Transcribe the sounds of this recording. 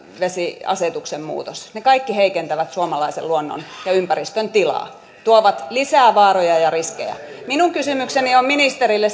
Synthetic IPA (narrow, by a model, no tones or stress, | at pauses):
ʋesiɑ̰set̪uksemmṵːt̪osnekɑikːiheikent̪æʋæt̪suomɑlɑisḛlluonːo̰njɑympærist̪ønt̪ilɑ̰ː | t̪uoʋɑt̪lisæːʋɑːrojɑjɑriskḛjæ̰ | minuŋkysymykseniomminist̪erilːe